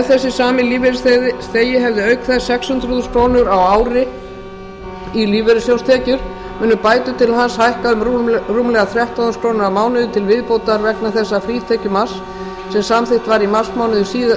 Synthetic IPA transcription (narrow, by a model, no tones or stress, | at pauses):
θɛsːɪsaːmɪliːvɛɾst̪eːjɪɦɛvðɪœɥkθɛsɛkshʏnt̪ɾʏðʏskɾoːwnʏɾawaːwɾɪ | iliːvɛɾɪsjowst̪ʰɛːcʏɾ | mʏːnʏpaːjt̪ʏt̪ʰɪlhanshajhkaðʏmruːmlɛɣaθɾjɛht̪awðʏskʰɾoːwnʏɾamaːwnɪðʏt̪ʰɪlvɪðpoːwt̪aɾvɛknaθɛsːafɾiːt̪ʰɛcʏmas | sɛmsamθɪht̪vaɾimasmawnʏðʏsiːð